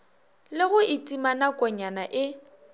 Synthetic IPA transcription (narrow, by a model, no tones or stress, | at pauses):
lɪɣʊɪtʼimanakʼɔɲanaʔɪ